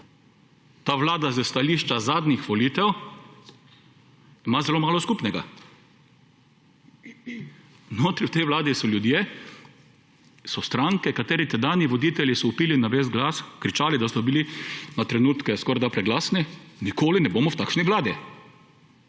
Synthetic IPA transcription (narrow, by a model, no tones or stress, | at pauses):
t̪aːʋlaːd̪azəst̪aliːʃt͡ʃazaːd̪nʲixʋɔliːt̪ɛw | imazɛloːmaːlɔskuːpnɛɡa̰ | noːt̪ɾiwt̪ɛjʋlaːd̪isɔljud̪je | sɔst̪ɾaŋkɛkat̪eːɾit̪ɛd̪anjiʋɔd̪iːt̪ɛljisɔupiːlinaʋesɡlaskɾit͡ʃaːlid̪ast̪ɔbilinat̪ɾɛnuːt̪kɛskɔːɾd̪apɾɛɡlaːsninikoːlinɛboːmɔwt̪akʃnɛɡlaːd̪jɛ